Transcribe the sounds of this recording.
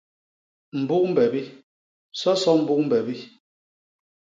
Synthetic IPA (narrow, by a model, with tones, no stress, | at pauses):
m̩˨bu˦k̚m̩˦bɛ˨bi˦ | sɔ˦sɔ˦m̩˨bu˦k̚m̩˦bɛ˨bi˦